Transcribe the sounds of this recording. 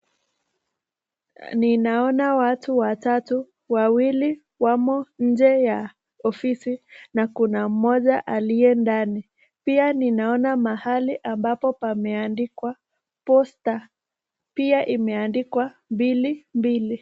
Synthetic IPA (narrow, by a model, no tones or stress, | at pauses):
ninaɔnawatuwatatu | wawili | wamɔɲ̩d͡ʒɛja | ɔfisinakunam̩mɔʄaʔalijɛndani | pianinaɔnamahaliʔambapɔpamɛandikwa | pɔsta | piaʔimɛandikwambilimbili